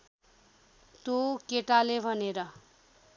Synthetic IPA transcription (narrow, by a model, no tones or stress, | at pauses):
t̪okeʈalebʱʌneɾʌ